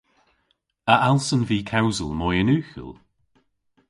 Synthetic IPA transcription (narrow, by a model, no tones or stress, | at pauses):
əʔalˠsənviːkʰawzə̰lˠmɔjənʉːxə̰lˠ